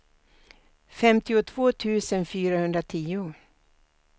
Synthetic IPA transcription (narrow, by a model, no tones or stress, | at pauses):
fɛmt̪ɪʊt̪ʰv̥oːt̪ʰʉ̟ːsənfyːɾahɵnd̪ɾat̪ʰiːʊ